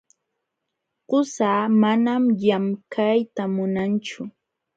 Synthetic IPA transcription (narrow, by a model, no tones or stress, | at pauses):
ɢʊsaːmanamjamkʰajt̪amʊnant͡ʃʊ